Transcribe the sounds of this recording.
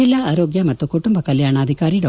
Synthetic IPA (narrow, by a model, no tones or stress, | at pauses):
ilaʔaːɾoːɡjɐmɐt̪ːukuʈumbɐkɐljaːɳaːd̪ʱikaːɾiɖɐ